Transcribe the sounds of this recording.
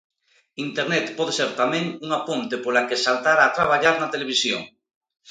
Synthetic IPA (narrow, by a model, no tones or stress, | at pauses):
int̪eɾnɛt̪pɔð̞eseɾt̪amẽŋuŋapont̪epolakesalt̪aɾaːt̪ɾaβ̞aʎaɾnat̪eleβ̞isjo̰ŋ